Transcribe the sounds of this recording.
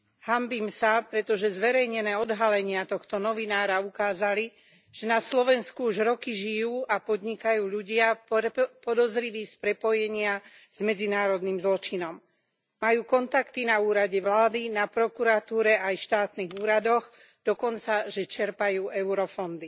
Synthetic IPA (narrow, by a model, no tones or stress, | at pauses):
hambiːmsapɾɛt̪ɔʒɛzʋɛɾɛjɲɛnɛːɔd̪ɦalɛɲɪat̪ɔxt̪ɔnɔʋinaːɾaukaːzali | ʒ̥ɛnaslɔʋɛnskuuʒɾɔkiʒijuːʔapɔd̪ɲikajuːʎuɟɪa | pɔd̪ɔzɾiʋiːspɾɛpɔjɛɲɪaz̥mɛd͡zinaːɾɔd̪niːmzlɔt͡ʃinɔmː | ajuːkɔnt̪akt̪inauːɾaɟɛʋlaːd̪inapɾɔkuɾat̪uːɾɛajʃt̪aːt̪niɣuːɾad̪ɔɣ | d̪̥ɔkɔnt͡saʒɛt͡ʃɛɾpajuːʔɛʊɾɔfɔnd̪i